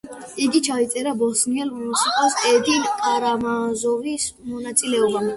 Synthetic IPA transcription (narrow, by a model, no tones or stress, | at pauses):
iɡit͡ʃʰait̪sʼɛɾabɔsniɛlmusikʼɔsɛd̪inkʼaɾamazɔvismɔnat̪sʼilɛɔbam